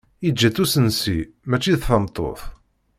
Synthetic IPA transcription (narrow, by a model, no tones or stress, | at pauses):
id͡ʒːæθusənsi | mæt͡ʃːiðθəmt̪ˤːo̰θ